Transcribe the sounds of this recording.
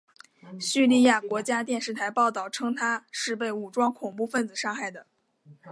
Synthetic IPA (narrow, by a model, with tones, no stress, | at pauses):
ɕy˥˧li˥˧ja˥˩kwɔ˧˥t͡ɕja˥t̪jɛ˥˧nʂɻ̩˥˩t̪ʰa˧˥ɪpɑ˥˧ʊt̪ɑ˥˩ʊʈ͡ʂʰɤ˥ŋt̪ʰa˥ʂɻ̩˥˧p̬e˥˩ɪu˨˩ʈ͡ʂwɑ˥ŋkʰʊ˨˩ŋpu˥˧fə˥˩nd͡zɹ̩˨˩ʂɑ˥˧ŋxa˥˩ɪd̪ə˩